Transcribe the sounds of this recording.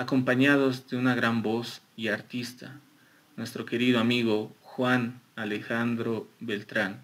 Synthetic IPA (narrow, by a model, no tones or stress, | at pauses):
ako̞mpaɲaðozd̪eunaɣɾambos | iaɾt̪ist̪a | nwe̞st̪ɾo̞ke̞ɾiðoamiɣoxwanalexand̪ɾoβelt̪ɾan